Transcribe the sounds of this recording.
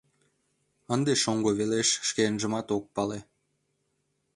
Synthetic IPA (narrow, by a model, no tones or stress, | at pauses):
ənd̪eʃoŋɡoβeleʃʃkeənʒəmɑt̪ok̚pɑle